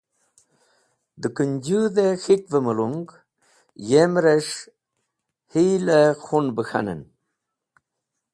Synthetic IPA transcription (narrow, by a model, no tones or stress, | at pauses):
d̪əkənd͡ʒuðexit̪̚vəməluŋɡ | jemɾeʂ | hilexunbəxa̰nə̰n